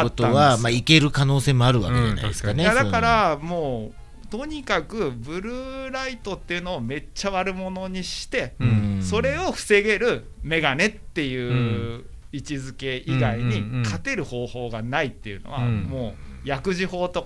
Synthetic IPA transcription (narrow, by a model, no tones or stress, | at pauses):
aot̪oːãβamaike̞ɾɯ̟kano̞ːse̞ːmoaɾɯ̟βa̰ked͡ʑa̰na̰d̪skanead̪akaɾamo̞ː | t̪o̞ɲ̟ikakɯ̟bɯ̟ɾɯ̟ɾait̪o̞t̪ːe̞jɯ̟no̞ːme̞t͡ɕːaβaɾɯ̟mo̞no̞ɲ̟iɕi̥t̪e̞so̞ɾe̞o̞ɸɯ̟̥se̞ɡe̞ɾɯ̟ | me̞ɡane̞t̪ːe̞jɯ̟ː | it͡ɕizɨke̞iɡaiɲ̟ikʰat̪e̞ɾɯ̟ho̞ːho̞ːɡanait̪ːejɯ̟no̰βamo̞ːjakɯ̟ʑiho̞ːt̪o̞